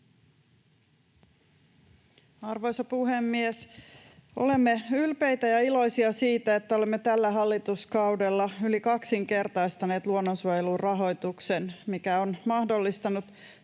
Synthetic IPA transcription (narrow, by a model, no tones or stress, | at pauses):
ɑrʋo̞jsɑpuɦemːies | o̞̰le̞mːeylpejt̪æjɑilo̞jsiɑsiːt̪æet̪ːæo̞lemːet̪ælːæɦɑlːit̪uskɑude̞lːɑylikɑksiŋke̞rt̪ɑjst̪ɑne̞ːt̪luonːonsuojelurrɑɦo̞jt̪uksenmikæonmɑhdo̞lːist̪ɑnut̪